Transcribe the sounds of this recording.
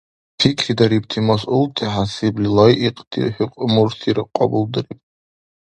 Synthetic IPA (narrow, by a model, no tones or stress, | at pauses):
tʰikʲʰridaɾipʼtʰimasultʼʰiħasiblʲilojʔiqʼd̥ʰḭħiqʷʼmurtʰiɾɨqʷʼːa̰buldɨripʼ